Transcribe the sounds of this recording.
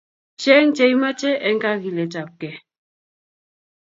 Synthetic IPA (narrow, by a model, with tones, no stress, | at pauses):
t͡ʃɛ˦ŋ̩˦t͡ʃɛ˨i˦ma˦t͡ʃɛ˦ɛ˦ŋ̩˦ka˦ɣi˨lɛ˨ta˨p̚kɛ˨